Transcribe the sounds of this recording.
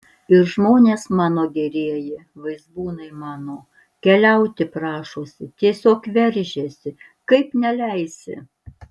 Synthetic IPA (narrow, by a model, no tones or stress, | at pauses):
ɪɾʒmoːnʲeːsmɑːnoːɡʲɛɾʲiɛjɪʋɐɪzbuːnɐɪmɑːnoː | kʲɛlʲɛʊt̪ʲɪpɾɑːʃoːsʲɪt̪ʲiɛsʲoːkʋʲɛɾʲʒʲesʲɪ | kɐɪpnʲɛlʲɛɪsʲɪ̰